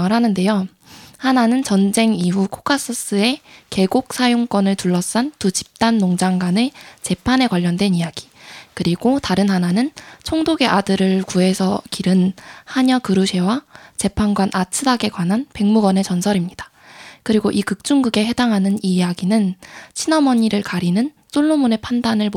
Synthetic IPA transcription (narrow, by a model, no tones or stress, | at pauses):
ɾɦanɯnde̞jo | hananɯnt͡ɕʌnd͡ʑe̞ŋiɦukʰo̥kʰas͈ɯs͈ɯe̞ke̞ɡok̚s͈ʰajoŋk͈wʌnɯɭtuɭːʌs͈antut͡ɕi̥p̚t͈anːoŋd͡ʑaŋɡwane̞t͡ɕe̞pʰane̞kwaʎːʌndwe̞nijaɡ̥i̥kɯɾiɡotaɾɯnhananɯnt͡ɕʰoŋdoɡe̞ʔadɯɾɯɭkuɦe̞sʰʌkiɾɯnhaɲʌkɯɾuɕʰe̞wat͡ɕe̞pʰanɡwanʔat͡ɕʰɯdaɡe̞kwanɦanpe̞ŋmuɡʌne̞t͡ɕʌnsʰʌɾimɲidḁ | kɯɾiɡoʔikɯk̚t͡ɕ͈uŋɡɯɡe̞ɦe̞daŋɦanɯnijaɡinɯnt͡ɕʰinʌmʌɲiɾɯɭkaɾinɯn | s͈oɭːomune̞pʰandanɯɭm